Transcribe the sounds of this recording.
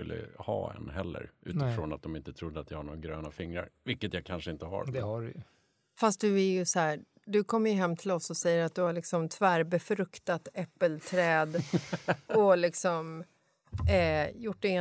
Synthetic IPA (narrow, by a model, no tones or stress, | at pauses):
ɵ̰lːə̰hɑːɛ̰nɦɛlːə̰ɾʔʉ̟ːt̪ɪfɾɔnat̪̚d̪ɔmɪnt̪ət̪ʰɾʊd̪ːəat̪jahaɳoːaɡɾøːnafɪŋːɾa̰ɾvɪlkːət̪jakʰanʂəɪnt̪əɦa̰ɾd̪ɛaɾ̰j̰ | fast̪̚d̪ɵæɾjɵsɔhæː | d̪ɵkʰɔmːəɾjɵɦɛmːt̪ʰɪlɔsːɔsɛjːəɾat̪̚d̪ɵhaɭɪksɔmt̪ʰvæːɾbɛfɾɵkt̪at̪ɛpːəlt̪ʰɾɛːd̪ | ɔlɪksɔm | jʊʈːdɛɪ